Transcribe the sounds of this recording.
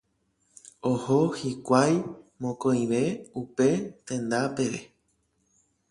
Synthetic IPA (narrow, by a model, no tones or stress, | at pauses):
oho̞hikʷajmõ̞kõj̃ʋe̞upe̞t̪ẽ̞nd̪ape̞ʋe